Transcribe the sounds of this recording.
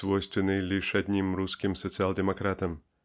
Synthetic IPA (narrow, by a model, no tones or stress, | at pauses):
vɔjst̪ʋʲɛnɨjlʲiʂɐd̪ʲnʲimɾuskʲimsɔt̪sɨalʲˠd̪ɛmɐkɾat̪ɐm